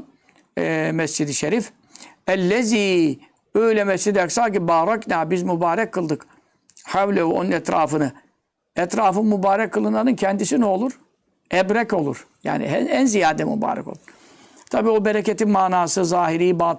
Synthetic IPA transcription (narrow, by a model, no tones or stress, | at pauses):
ɛmɛsd͡ʒid̪iʃeɾif | ɛlːɛziː | ø̞jlʲɛmɛst͡ʃid̪ijaksalcibaːɾaknʲaːbizmubaːɾɛkʰːɯlˠd̪ɯk | hawlʲehuʔo̞̰nunɛt̪ɾaːfɯnɯ | ɛt̪ɾaːfɯnmubaːɾɛkʰːɯlˠɯnanɯncʰɛnd̪isino̞lˠuɾ | ɛbɾɛco̞lˠṵɾ̥ja̰ːnḭɛænzijaːd̪ɛmṵba̰ːɾɛ̰ko̞̰lˠuɾ | t̪ʰabiːo̞beɾecet̪inmaːnaːsɯzaːɦiɾiːba